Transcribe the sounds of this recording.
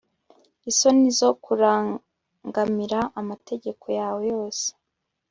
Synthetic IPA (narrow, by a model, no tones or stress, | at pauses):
iso̞nizo̞kuɾaː | ŋɡamiɾaʔamate̞ɟe̞kʰo̞jaːwe̞jo̞ːse̥